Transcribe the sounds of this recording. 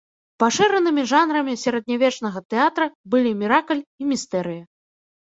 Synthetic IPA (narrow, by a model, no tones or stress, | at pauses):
paʂɛɾɐnɨmʲiʐanɾɐmʲisʲaɾɐd̪̚nʲavʲɛt͡ʂn̪ɐɣɐt̪ɛat̪ɾɐbɨlʲimʲiɾaklʲimʲist̪ɛɾɨjɐ